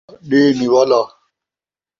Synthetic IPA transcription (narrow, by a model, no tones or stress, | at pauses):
ɗeːniwala